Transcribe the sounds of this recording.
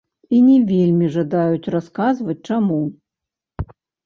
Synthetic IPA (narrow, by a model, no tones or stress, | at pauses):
inʲɛvʲelʲmʲiʐad̪ajut͡sʲraskazvɐt͡sʲt͡ʂamu